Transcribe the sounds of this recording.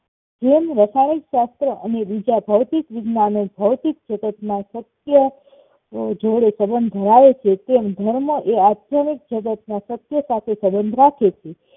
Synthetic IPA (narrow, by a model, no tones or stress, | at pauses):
d͡ʒemɾasanikʃast̪ɾəʔənebid͡ʒabʱəʋt̪ikʋɪɡnanebʱəʋt̪ik̚d͡ʒəd̪ət̪nasət̪jə | d͡ʒoɽesəbənd̪ʱd̪ʱəɾaʋet͡ʃʰet̪emd̪ʱəɾməʔead̪jəmik̚d͡ʒəd̪ət̪̚nasət̪jəsat̪ʰesəbənd̪ʱɾakʰet͡ʃʰe